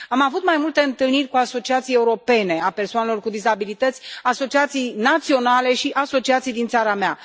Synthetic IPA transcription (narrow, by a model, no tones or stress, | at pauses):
amavut̪majmult̪e̞ɨnt̪ɨlnirʲkuaso̞t͡ʃiat̪sije̞uɾo̞pe̞ne̞ape̞rsoanelo̞rkud̪izabilit̪ət̪sʲaso̞t͡ʃiat̪sijnat̪sio̞nale̞ʃiʔaso̞t͡ʃiat̪sijd̪int̪saɾamea